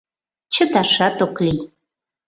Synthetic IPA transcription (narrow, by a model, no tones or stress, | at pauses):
t͡ɕə̆t̪ɑʃɑt̪oklij